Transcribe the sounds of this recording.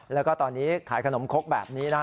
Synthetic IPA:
lɛ˦˥wkɔː˥˩t̪ɔː˧nːiː˦˥kʰaː˩˦jkʰa˧no˩˦mkʰo˦˥k̚bɛ̰ː˨˩p̚niː˦˥na˦˥

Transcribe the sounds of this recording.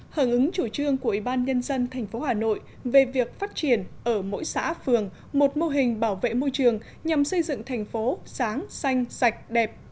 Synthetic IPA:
haː˧˩ŋʔɨ˨˦ŋt͡ɕu˧˩t͡ɕɨ˧əŋku˧˩əʔi˧˩ɓaː˧nɲə˧nzə˧nt̪ʰa˨˩jŋ̟fo˨˦haː˨˩no̰˧˨j | ve˨˩vi˨˩ək̚faː˦˥t̚t͡ɕi˧˩ənʔəː˧˩mo̰˧˥jsa̰ː˧˥fɨ˨˩əŋ | mo˨˩t̚mo˧ɦï˨˩ŋ̟ɓaː˧˩wvḛ˧˨mo˧jt͡ɕɨ˨˩əŋ | ɲa˨˩msə˧jzɨ̰˧˨ŋt̪ʰɛ˨˩jŋ̟fo˨˦saː˨˦ŋsa˧jŋ̟za˨˩jk̟̚ɗɛ˨˩p̚

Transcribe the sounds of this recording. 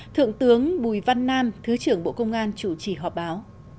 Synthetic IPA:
t̪ʰɨ̰˧˨əŋt̪ɨ˨˦əŋɓu˧˩jva˧nːaː˧mt̪ʰɨ˨˦t͡ɕɨ˧˩əŋɓo̰˧˨kə˧wŋ͡mʔaː˧nt͡ɕu˧˩t͡ɕi˧˩ɦɔ˨˩p̚ɓaː˨˦w

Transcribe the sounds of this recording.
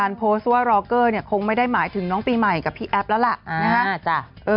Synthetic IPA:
aː˧npʰoː˦˥sɾɔː˧kɤː˥˩ni˥˩ɐkʰo˧ŋma˥˩jda˥˩jmaː˩˦jt̪ʰɯ˨˩˦ŋnɔː˦˥ŋpiː˧ma˨˩jka˨˩pʰːiː˥˩ʔɛ˦˥p̚lɛ˦˥wla˨˩ʔʔna˧a˦˥kʰa˦˥t͡ɕa˧˩ʔɤː˧

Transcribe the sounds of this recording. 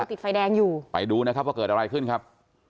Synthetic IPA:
t̪i˨˩t̪̚fa˧jdɛː˧ŋjuː˨˩pa̰˧jduː˧na˦˥kʰa˦˥p̚wa˥˩kɤː˨˩t̪̚ʔa˧ɾa˧jkʰɯ˥˩nkʰa˦˥p̚

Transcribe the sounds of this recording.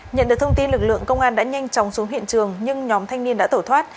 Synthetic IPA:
ɲə̰˧˨nɗɨ˨˩ək̚t̪ʰə˧ŋ͡mt̪i˧nlɨ˨˩k̚lɨ̰˧˨əŋkə˧wŋ͡mʔaː˧nɗa̰ː˧˥ɲa˧jŋ̟t͡ɕɔ˨˦wŋ͡msu˨˦ɦḭ˧˨ənt͡ɕɨ˨˩əŋɲɨ˧ŋɲɔ˨˦mt̪ʰa˧jŋni˧ənɗ̰a̰ː˧˥t̪o˧˩t̪ʰwaː˦˥t̚

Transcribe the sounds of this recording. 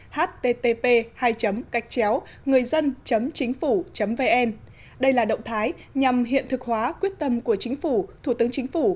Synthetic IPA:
haː˦˥t̚t̪e˧t̪e˧pe˧haː˧jt͡ɕə˨˦mka˨˩jk̟̚t͡ɕɛ˨˦w | ŋɨ˨˩əjzə˧nt͡ɕə˨˦mt͡ɕï˨˦ŋ̟fu˧˩t͡ɕə˨˦mve˧ʔɛ˧n | ɗə˧jlaː˨˩ɗə̰˧˨wŋ͡mt̪ʰaː˨˦j | ɲa˨˩mɦḭ˧˨ənt̪ʰɨ˨˩k̚hwaː˨˦kwi˦˥ət̚t̪ə˧mku˧˩ət͡ɕï˨˦ŋ̟fu˧˩t̪ʰu˧˩t̪ɨ˨˦əŋt͡ɕï˨˦ŋ̟fu˧˩

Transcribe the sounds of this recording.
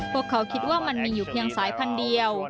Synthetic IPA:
pʰu˥˩əkʰːa˩˦wkʰi˦˥t̪̚waː˥˩ma˧nmiː˧juː˨˩pʰi˧əŋsaː˨˩˦jpʰa˧ndi˧əw

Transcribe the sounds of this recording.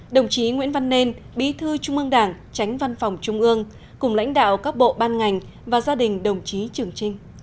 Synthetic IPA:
ɗə˨˩wŋ͡mt͡ɕi˨˦ŋwḭ˧˥ənva˧nːe˧n | ɓḭ˧˥t̪ʰɨ˧t͡ɕʊ˧ŋ͡mʔɨ˧əŋɗaː˧˩ŋ | t͡ɕa˨˦jŋ̟va˧nfɔ˨˩wŋ͡mt͡ɕʊ˧ŋ͡mʔɨ˧əŋ | kʊ˨˧˩ŋ͡mla̰˧˥jŋ̟ɗa̰ː˧˨wkaː˦˥k̚ɓo̰˧˨ɓaː˧nŋa˨˩jŋ̟ | vaː˨˩zaː˧ɗï˨˩ŋ̟ɗə˨˩wŋ͡mt͡ɕi˨˦t͡ɕɨ˨˩əŋt͡ɕï˧ŋ̟

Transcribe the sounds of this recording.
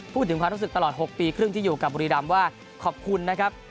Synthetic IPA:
pʰuː˥˩t̪ʰːɯ˩˦kʰa˧ɾu˦˥sɯ˨˩k̚t̪a˧lɔː˨˩t̪̚ho˨˩k̚piː˧kʰɾɯ˥˩ŋiː˥˩juː˨˩ka˨˩p̚buː˧ɾi˧da˧mwaː˥˩ | kʰɔː˨˩p̚kʰu˧nːa˦˥kʰa˦˥p̚

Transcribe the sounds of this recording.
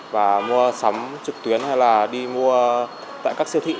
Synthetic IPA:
vaː˨˩mu˧əsa˨˦mt͡ɕɨ˨˩k̚t̪wi˨˦ənha˧jlaː˨˩ɗi˧mu˧ə | t̪a̰ː˧˨kaː˦˥k̚si˧ət̪ʰḭ˧˨

